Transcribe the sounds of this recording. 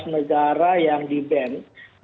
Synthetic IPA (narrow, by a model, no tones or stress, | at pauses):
snəɡaɾajaŋdibɛn